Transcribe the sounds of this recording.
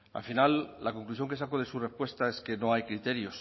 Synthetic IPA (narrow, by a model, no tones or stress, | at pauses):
a̰finalːakoŋklusjo̞ŋkeakoð̞esure̞spwe̞st̪ae̞ske̞no̞ajkɾit̪eɾjo̞s